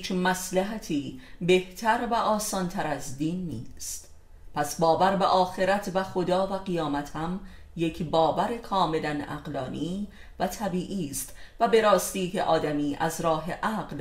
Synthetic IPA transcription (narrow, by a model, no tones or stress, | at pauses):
t͡ʃmæslæɦæt̪ʰiːbe̞ht̪ʰæɾvæʔɒːsɒːnt̪ʰæɾæzd̪iːnːḭːst̪ | pʰæsbɒːvæɾbeʔɒːxe̞ɾæt̪ʰvæxo̞d̪ɒːvæɣijɒːmæt̪hæm | je̞cʰbɒːvæɾekʰɒːme̞lænæ̰ɢlɒːniː | væt̪ʰæbiːʔiːst̪væbe̞ɾɒːst̪iːkʰeʔɒːd̪æmiːʔæzɾɒːɦe̞ʔæɢl